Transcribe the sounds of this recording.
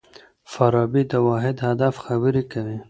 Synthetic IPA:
faɾɑːbid̪əwɑːɦɪd̪had̪afxabəɾikawi

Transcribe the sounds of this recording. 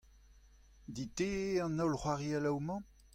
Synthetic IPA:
d̪it̪eɑ̃nɔlχwaʁialawmɑ̃

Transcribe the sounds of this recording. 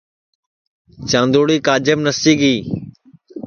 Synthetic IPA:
t͡ʃãːnd̪oːɽiːkaːd͡ʒəmnəst͡ʃiːɡiː

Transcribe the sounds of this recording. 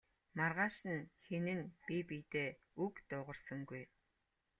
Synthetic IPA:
marʁaːʃɘ̆nxenɘ̆npipit̪eː | ukt̪ʊːʁə̆rsə̆ŋɡuj

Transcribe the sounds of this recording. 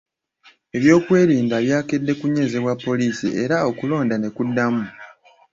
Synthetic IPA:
e̞βjo̞ːkwe̞ːɾiːndaβjaːke̞dːe̞kuɲe̞zeβwapːo̞liːsḭe̞ɾao̞kulo̞ːndane̞kudːamu

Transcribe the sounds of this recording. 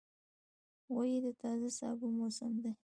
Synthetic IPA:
wajed̪ət̪ɑzasɑ̰bomosəmd̪e

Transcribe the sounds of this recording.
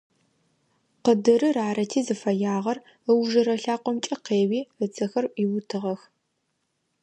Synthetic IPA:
qədɨrɨraːɾɐtʰiːzɨfɐjaːʁɐr | əwʒɐɾɐɬaːqʷɔmt͡ʃʼɐqeːwiːət͡sʰɐxɐrʔiwʊtʰɨʁɐx

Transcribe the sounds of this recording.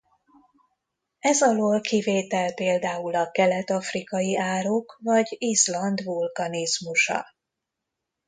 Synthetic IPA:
ɛzɒloːlkiveːt̪ɛlpeːld̪aːulɒkɛlɛt̪ɒfrikɒjiʔaːɾoːkvɒɟizlɒnd̪vulkɒnizmuʃɒ̰

